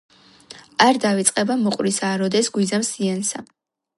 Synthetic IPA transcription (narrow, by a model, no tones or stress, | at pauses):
aɾd̪avit̪sʼqʼɛbamɔqʼwɾisaːɾɔd̪ɛsɡwizamsiansa